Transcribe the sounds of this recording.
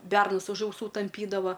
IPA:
ˈbʲɛrnʊs ʊʃ ɐʊˈsuː tɐmʲˈpʲiːdɐʋɐ

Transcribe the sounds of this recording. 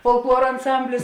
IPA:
foːlˠˈklˠuɔrɐ ɐnˈsɐmʲbʲlʲɪs

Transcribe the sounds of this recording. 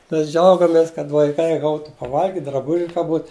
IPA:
ˈmʲɛs ˈd͡ʒʲɛʊɡɐmʲeːs kɐt ʋɐɪˈkɐɪ ˈɡɐʊtʊ pɐˈʋɐlʲɡʲɪtʲɪ drɐˈbʊʒʲɪ kɐ ˈbuːt

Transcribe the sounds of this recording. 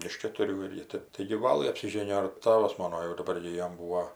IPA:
ɪʃ kʲɛtʊˈrʲuː ɪr ˈjɪ ˈtɜp tɐɪɡʲɪ ˈʋɑːlˠɘ ɐpʲsʲɪˈʒʲeːnʲɪjoː ɪr ˈtɑːʋɐs ˈmoːnoː jɛʊ dɐˈbɐr ɡʲɪ ˈjoːm ˈbuːoː

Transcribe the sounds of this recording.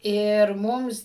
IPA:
ɪr ˈmʊms

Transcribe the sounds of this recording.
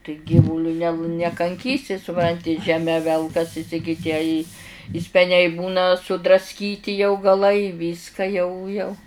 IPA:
tɐɪ ˈɡʲiːʋʊlʲʊ nʲɛ nʲɛkɐŋʲˈkʲiːsʲɪ sʊˈprɐnʲtʲɪ ʒʲɛˈmʲɛ ˈʋʲɛlˠkɐsʲɪs ɪ ɡʲɪ ˈtʲiɛ ɪ ɪ sʲpʲɛˈnʲɛɪ ˈbuːnɐ sʊdrɐsʲˈkʲiːtʲɪ jɛʊ ɡɐˈlˠɐɪ ˈʋʲiːskɐ jɛʊ jɛʊ

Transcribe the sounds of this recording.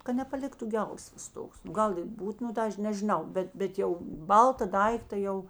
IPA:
kɐ nʲɛpɐˈlʲɪktʊ ˈɡʲɛlˠsʋɐs ˈtoːks nʊ ˈɡɐlˠ ɪ ˈbuːt nʊ ˈtɑː ˈɐʃ nʲɛʒʲɪˈnɐʊ ˈbʲɛt ˈbʲɛt jɛʊ ˈbɐlˠtɐ ˈdɐɪktɐ ˈjɛʊ

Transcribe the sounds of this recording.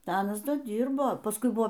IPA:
ˈdɐ ˈɑːnɐs ˈdɐ ˈdʲiːrboː pɐsˈkʊɪ ˈbʊʋoː

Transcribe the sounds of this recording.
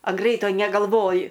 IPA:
ɐn ˈɡrʲɛɪtoː nʲɛɡɐlˠˈʋoːjɪ

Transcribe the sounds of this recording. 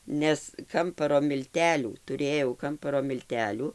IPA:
ˈnʲɛs ˈkɐmpɐroː mʲɪlʲˈtʲæːlʲuː tʊˈrʲeːjɛʊ ˈkɐmpɐroː mʲɪlʲˈtʲæːlʲuː

